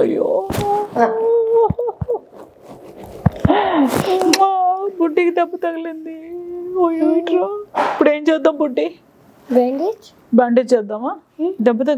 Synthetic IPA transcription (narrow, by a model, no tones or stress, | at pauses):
jo | buɖːikid̪ɐbːut̪ɐɡɐlind̪iojʈɾoipːuɽe̞ːmt͡ʃɛːd̪ːaːmbuɖːi | baɳɖet͡ʃ | baɳɖet͡ʃɛːd̪ːaːmaː | d̪ɐbːut̪ɐ